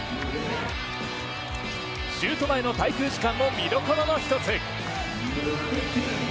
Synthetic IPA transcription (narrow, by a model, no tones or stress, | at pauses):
ɕɨːt̪o̞maeno̞t̪ait̪ɯːʑikãmːo̞mʲiɾokoɾono̞çi̥t̪o̞t͡sɨ